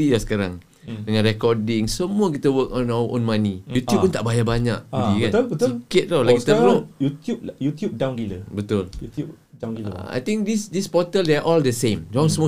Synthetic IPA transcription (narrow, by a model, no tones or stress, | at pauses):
ilasə̥kaɾaŋ | dəŋãnrɛkɔdɪ̃ŋsəmuəkit̪əwəkɔnaɔ̰̃nmanijut̪juppːunt̪aʔbajabaɲaʔ̚iɡikanbət̪sikɪt̪̚lɔlakit̪əflojut̪jup̚jut̪jup̚dawnɡiləbət̪ʊljut̪u | dawŋɡḭa̰jt̪ĩŋk̚disdispɔt̪əldɛʔɔldəsẽmd͡ʒaŋsəmu